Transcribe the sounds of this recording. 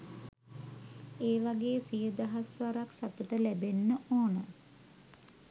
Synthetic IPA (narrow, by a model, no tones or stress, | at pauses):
eːʋaɡeːsijəd̪əɦasʋaɾaksat̪uʈəlæbenːəʔoːnə